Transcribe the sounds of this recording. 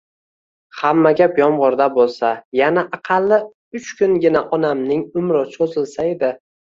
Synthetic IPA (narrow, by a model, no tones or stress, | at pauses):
hamːaɡʲapjɒmʁɒɾd̪abolˠsajanaʔɑqʰɑlːɪ | ʊt͡ʃkʰʊŋɡʲɪnaʔɒnamnɪŋʊmɾɪsozɪlsaed̪ɪ